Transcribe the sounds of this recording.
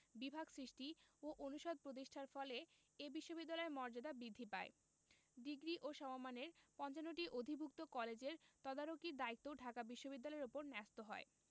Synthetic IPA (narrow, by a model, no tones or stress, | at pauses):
bibʱaɡsɾiʃʈioʔonuʃod̪̚pɾot̪̬iʃʈʰaɾfɔle | ebiʃːobid̪ːalɔemɔɾd͡ʑad̪abɾid̪ʱːipae | d̪iɡɾiʔoʃɔmomaneɾpɔnt͡ɕanːoʈiʔod̪ʱibʱuk̚t̪okɔled͡ʑeɾt̪ɔd̪aɾokiɾd̪ait̪ːoɖʱakabiʃːobid̪ːalɔeɾopoɾnɛst̪oɦɔe